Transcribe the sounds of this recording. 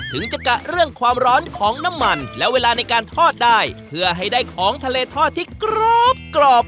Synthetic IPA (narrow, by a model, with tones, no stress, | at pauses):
t̪ʰɯ˩˦ŋt͡ɕa˧˩ka˨˩ʔɾɯ˥˩əŋkʰwaː˧mɾɔː˦˥nkʰɔː˩˦ŋna˦˥mːa˧nlɛ˦˥weː˧laː˧na˧jkaː˧nt̪ʰɔː˥˩t̪̚daː˥˩jpʰɯ˧˥˩əɦa˥˩jdaː˥˩jkʰɔː˨˩˦ŋt̪ʰa˧leː˧t̪ʰɔː˥˩t̪ʰːiː˥˩kɾo˦˥˩p̚klɔː˨˧˩p̚